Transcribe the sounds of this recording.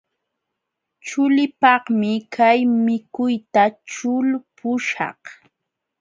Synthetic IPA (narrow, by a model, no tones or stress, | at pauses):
t͡ʃʊlɪpɑχmɪkʰajmɪkʊjt̪at͡ʃʊlpʊʃɑ̰h